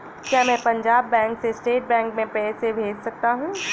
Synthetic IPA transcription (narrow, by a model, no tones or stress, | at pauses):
kjaːmɛ̃ːpɐ̃ɲd͡ʒaːbːɛ̃ːŋksesʈeːʈ̚bɛ̃ːŋkmẽpɛːsebʱeːd͡ʒsɐk̚t̪aɦũː